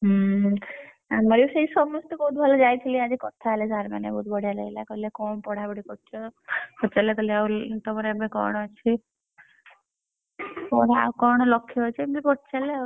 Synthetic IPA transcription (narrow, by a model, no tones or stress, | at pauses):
ɦ | amɔɾiuseisɔmɔst̪ɔkout̪̚bʱɔlɔd͡ʒajt̪ʰiliad͡ʒikɔt̪ʰaelesaɾmanḛbɔɦut̪̚bɔɽ̤ʱijaleilakɔilekɔmpɔɽ̤abɔɽikɔt͡ʃɔkɔt͡ʃalekɔileawt̪ɔmɔɾeabekɔ̰ɾɽ̃ɔat͡ʃʰi | pɔɾea̰wkɔɾɽ̃ɔlɔkʰːiɦɔjt͡ʃʰibbipɔʈt͡ʃaleaw